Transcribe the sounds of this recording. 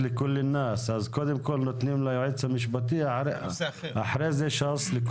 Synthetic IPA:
lɪkʊlːɪnːaːsʔazkod̪imkʊlnʊt̪nimlajʊʕid̪samɪʃ̬bat̪ɪjːaɾʔaħɾezeʃɑsˤlɪk

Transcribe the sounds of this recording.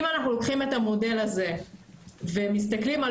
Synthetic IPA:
manaχnulokχime̞tamo̞de̞laze̞ | vemis̬t̪aklima

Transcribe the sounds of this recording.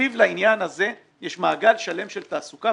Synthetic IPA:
ivlainjanaze̞ | jɛʃmaːɡalʃale̞mʃe̞lt̪aːsuka

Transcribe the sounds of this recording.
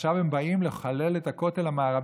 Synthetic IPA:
ʃavembaimle̞χale̞letako̞telamaːʁav

